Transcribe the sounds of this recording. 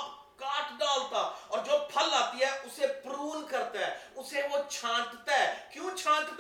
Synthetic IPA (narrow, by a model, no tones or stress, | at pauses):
kaːʈɖaːlt̪aɔːɾd͡ʒoːpʰəlaːt̪iɦɛʔʊsepɾuːlkəɾt̪aɦɛːʊseʋot͡ʃʰãːʈt̪aɦɛːkjũːt͡ʃʰãːʈt̪